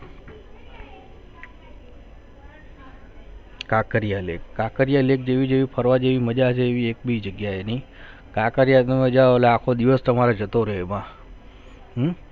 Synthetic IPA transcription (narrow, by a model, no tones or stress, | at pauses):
kakəɾijalekːakəɾjalek̚d͡ʒeʋid͡ʒeʋipʰəɾʋad͡ʒeʋiməd͡ʒat͡ʃʰeːʋiek̚bid͡ʒəɡjaeni | kakəɾijat̪əmẽd͡ʒaeleakʰod̪iʋəst̪əmaɾed͡ʒət̪oɾəɦemã